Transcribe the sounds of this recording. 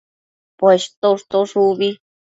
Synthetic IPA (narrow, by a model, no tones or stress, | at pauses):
pweʃt̪oʂt̪oʂuβi